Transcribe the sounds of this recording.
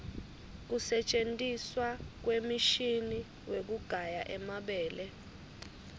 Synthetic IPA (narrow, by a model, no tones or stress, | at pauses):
k̬usɛt͡ʃʼentʼiswak̬wemiʃini | wek̬uɡ̥ʱajaʔɛmaɓɛːlɛ